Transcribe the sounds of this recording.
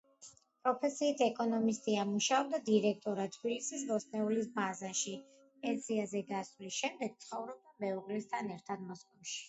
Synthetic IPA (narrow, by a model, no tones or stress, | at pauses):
pʼɾɔpʰɛsiːt̪ʰɛkʼɔnɔmist̪ʼiamuʃaɔb̚d̪ad̪iɾɛk̚ʰt̪ʼɔɾat̪ʰbilisisvɔsnɛulisbazaʃi | ɛsʰiazɛɡasvlisʃɛmd̪ɛɡ̥̚t̪sʰχɔvɾɔb̚d̪amɛɔkʼlist̪ʰanɛɾt̪ʰad̪mɔskʼɔmʃi̥